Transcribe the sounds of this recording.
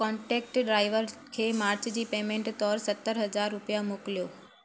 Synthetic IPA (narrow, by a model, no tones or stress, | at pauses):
kɔɳʈek̚ʈɖɾaiʋəɾkʰemaɾt͡ʃd͡ʑiːpemẽɳʈt̪ɔɾsət̪ːəɾɦəd͡ʑaɾːʊpjamʊkljo